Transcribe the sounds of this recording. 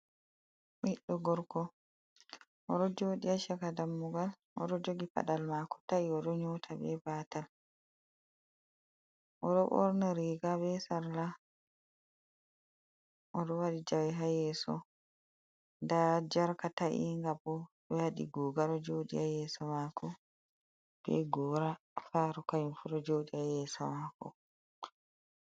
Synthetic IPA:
miɗːɔɡɔɾkɔ | ʔɔɗɔd͡ʒoːɗiaʃɛkadamːuɡal | ʔɔ̰ɗɔd͡ʒoɡipa̰ɗalmakɔ̥taiɔɗɔɲɔtʰabɛ̰batal | ʔɔɗɔʔɔ̰ɾnaɾiɡabɛsaɾla | ʔɔɗɔwaɗid͡ʒawɛɦajɛːsɔ | ndad͡ʒaɾkataʔḭŋɡabɔɗɔhaɗḭɡɔːɡaɾɔd͡ʒoːɗḭajɛːsɔmakʰɔ | b̥ɛ̰ɡɔːɾafaɾɔkajufuɾɔd͡ʒoːɗiajɛsɔmakɔ̰

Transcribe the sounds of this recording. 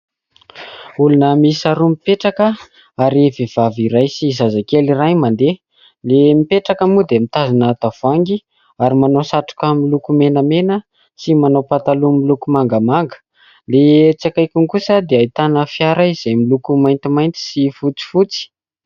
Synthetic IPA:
ulunəmisaɾumipeʈ͡ʂakə | aɾevev̥aviɾajsizazakelirajmand̪e | lemipeʈ͡ʂakəmud̪eamit̪azanət̪av̥aŋɡi | aɾimanawsaʈ͡ʂu̥kamilukumenəmenə | simanawpat̪alumilukumaŋɡəmaŋɡə̥ | let͡sakajkuŋkusəd̪eait̪anəfjaɾaiz̥ejmilukumajnt̪imajnt̪i̥sifut͡si̥fut͡si̥

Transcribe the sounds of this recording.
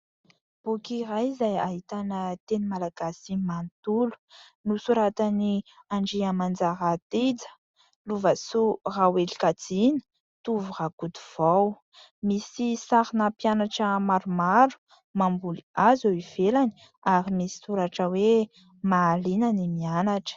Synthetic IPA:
b̥ukirajzaja̰ɦit̪anət̪enimalaɡasimant̪ulu̥ | nusuɾat̪ani | aɳɖ͡ʐiamand͡zaɾat̪id͡zə̥ | luvasurawelikat͡sinə̥ | t̪uvuʁakud̪uv̥aw | misisaɾinapianaʈ͡ʂəmaɾumaɾu̥ | mambuliazowiv̥elani̥ | aɾimisi̥suɾaʈ͡ʂəwe | maːlinanimianaʈ͡ʂə̥

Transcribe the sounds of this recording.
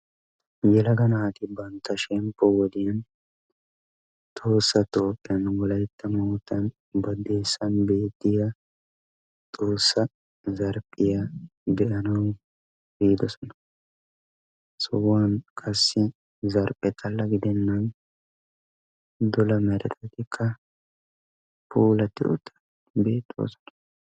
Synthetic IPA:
jɛlɐɡɐnaːt̪ɪbɐnt̪ːɐʃɛmpːɔwɔd̪ɪjɐn | t̪ʼoːsːɐt̪oːpʼːɪɐnwɔlɐjt̪ːɐmoːt̪ːɐn | bɐd̪eːsːɐnbeːt̪ːɪjɐ | t̪ʼoːsːɐ | zɐɾpʼːɪjɐd̪ɛʔɐnɐn | biːd̪ɔsɔnɐ̥ | sɔwaːnkʰɐsːɪ | zɐɾpʼɛt̪ʰʼɐlːɐɡɪd̪ɛnːɐn | d̪ʊlɐmɛɾɛ̰t̪ʰɛt̪ɪkʰːɐ | puːlɐt̪ɪ̰ʔʊt̪ːɐ̥ | be̞ːt̪ʼːo̰ːsɔ̥nɐ̥

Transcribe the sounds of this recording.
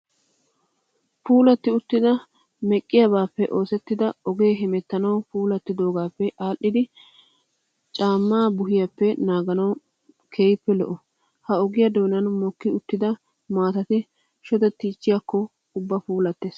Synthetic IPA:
puːlɐt̪ːɪʊt̪ːɪd̪ɐ | mɛkʼːɪjɐbaːpːɛʔo̞ːsɛt̪ːɪd̪ɐɔɡe̞ːɦɪmɛt̪ːɐnɐwpuːlɐt̪ːɪd̪o̞ːɡaːpːɛʔaːʔːɪd̪ɪ | t͡ʃʼaːmːaːbʊɦɪjɐpːɛnaːɡɐnɐw | kʰeːjɪpːɛlɔ̰ʔɔ | hɐɔɡɪjɐd̪oːnɐnmɔkːɪʊt̪ːɪd̪ɐ | maːt̪ɐt̪ɪ | ʃɔd̪ɛt̪ːiːt͡ʃːɪjakːɔ | ʊbːɐpuːlɐt̪ːes

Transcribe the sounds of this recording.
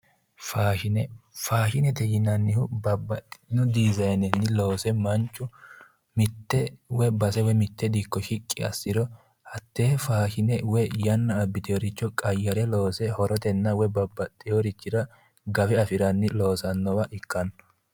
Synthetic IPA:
faːʃɪnɛfaːʃɪnɛt̪ɛjɪnɐnːɪhʊbɐbɐt̪ʼɪnʊd̪iːzɐjnɛnːɪlo̞ːsɛmɐnt͡ʃːʊ | mɪt̪ːɛwɛbɐsɛwɛmɪt̪ːɛd̪ikːɔʃɪkʼːɪɐ̰sːɪɾɔ | hɐt̪ːeːfaːʃɪnɛwɛjɐnːɐːbːɪt̪ɪjɔɾɪt͡ʃːɔkʼɐjːɐɾɛlo̞ːsɛhɔɾɔt̪ɛnːɐwɛbɐbːɐt̪ʼːɪjɔɾɪt͡ʃːɪɾɐ | ɡɐfɛɐfɪɾɐnːɪlo̞ːsɐnːɔwɐʔɪkːɐnː

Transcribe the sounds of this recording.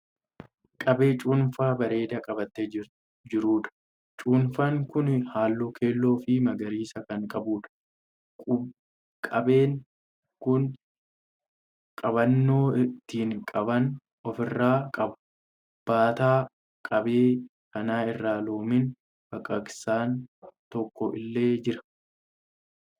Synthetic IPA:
kʼɐbeːt͡ʃʼuːnfaːbɐɾe̞ːd̪ɐkʼɐbɐt̪ːɛ | d͡ʒɪɾuːᶑ̪ɐ̥ | t͡ʃʼuːnfɐŋkʊnhaːlːoːkʰe̞ːlːo̞ːfɪmɐɡɐɾiːsɐkɐŋkʼɐbuːᶑɐ̥ | ʊ | kʼɐbe̞ːŋ | kʊn | kʼɐbɐnːo̞ːt̪ːiːŋkʼɐbɐn | ɔfɪrːaːkʼɐbɐ̥ | b̥aːt̪aː | kʼɐbeː | kɐnaːɪrːaːlo̞ːmɪn | bɐkʼːɐksaːnt̪ɔkːɔʔɪlːe̞ːd͡ʒɪɾɐ̥

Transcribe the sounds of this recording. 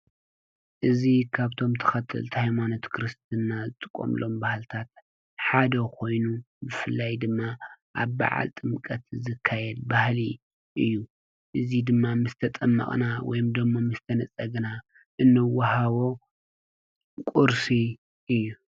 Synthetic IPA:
ʔɨzikʰaβt̪ʰo̞mt̪ʰɐ̥xɐt̪ʰːɨ̰lt̪ʰhajmano̞t̪kʰɾɨst̪ʰɨnːazɨt̪ʼɨkʼːo̰mlʔo̞mbahlt̪ʰat̪ | ħad̪ɐkʰo̞jnu | bɨfɨlːajd̪ɨmːaʔaβba̰ʕa̰lt̪ʼɨmkʼɐt̪zɨkʰːajɛd̪bahli | ʔɨjːu | ʔɨzid̪ɨmːamɨst̪ʰɐt̪ʼɐmːɐ̰χʼnawɔ̰jɨmd̪ɨmːomɨst̪ʰɐnɐt͡sʼɐɡna | ʔɨnːɨwahaβo̞ | kʼuɾsi | ʔɨjːu

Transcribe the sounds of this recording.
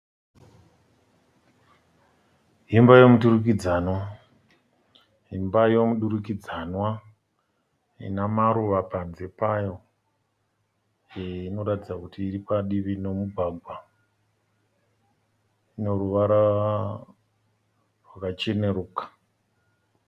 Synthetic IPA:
ɦimbajomuɗuɾukid͡zaːnwa | ɦimbajo̞muɗuɾukid͡zanwa | ḭnamaɾuʋapanze̞pajo̞ | eino̞ɾatid͡zakutiːɾipaɗiʋino̞muɡʱaɡʱwa | ino̞ɾuʋaɾa | rwakat͡ʃe̞ne̞ɾuːkḁ

